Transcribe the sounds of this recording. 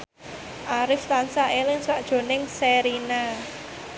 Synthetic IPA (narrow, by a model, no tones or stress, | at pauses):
ʔaɾɪft̪ansaʔelɪŋswaʔd̥ʒ̥o̤nɪŋseɾina